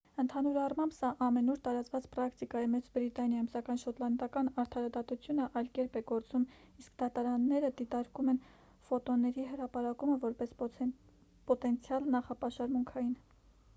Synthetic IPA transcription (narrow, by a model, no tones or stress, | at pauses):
ənt̪ʰɑnuɾɑrmɑmbsɑʔɑmɛnuɾt̪ɑɾɑt͡svɑt͡spɾɑkt̪ikɑjɛmɛt͡sbɾit̪ɑnjɑjumsɑkɑjnʃɔt̪lɑnd̪ɑkɑnɑɾt̪ʰɑɾɑd̪ɑt̪ut͡sʰjunəʔɑjlkɛɾpɛɡɔɾt͡sum | iskd̪ɑt̪ɑɾɑnːɛɾəd̪it̪ɑɾkumɛn | fɔt̪ɔnɛɾiɦəɾɑpɑɾɑkuməvɔɾpɛs | pɔt̪ɛnt͡sʰjɑlnɑχɑpɑʃɑɾmuŋkʰɑjin